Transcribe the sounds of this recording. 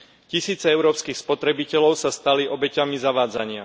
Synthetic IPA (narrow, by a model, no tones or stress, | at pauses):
cisiːt͡sɛɛʊɾɔːpskixspɔt̪ɾɛbicɛlɔʊsast̪aliʔɔbɛcamizaʋaːd͡zaɲɪa̰